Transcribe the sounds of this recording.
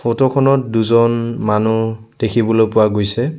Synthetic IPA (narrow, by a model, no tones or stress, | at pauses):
fʰotɔkʰɔnɔt̚duzɔnmanu | d̥ekʰibɔlojpʊwaɡojsɛ